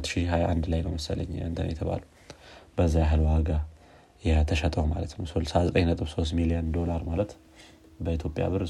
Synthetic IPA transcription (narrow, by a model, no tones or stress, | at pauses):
t̪ːʃihajʔand̪lajnə̰wməsələ̰ɲːɨnt̪ʰə̰n̰jɛt̪ʰəβa̰lu | b̥əzːajaɦɨlwaɡa | jɛt̪ʰəʃɛt̪ʼəhuma̰lət̪nəwsolsazət̪ʼəɲnət̪ʼɨβso̞st̪milijənd̪o̞laɾmalət̪ | bəit̪ʰjo̞pʼja̰βɨɾ